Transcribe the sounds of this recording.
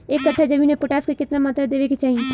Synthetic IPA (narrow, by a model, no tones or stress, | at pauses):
ekːəʈʰːad͡ʒəbinepʊʈaːskekɪt̪namət̪ɾəd̪eːʋeket͡ʃaːɦie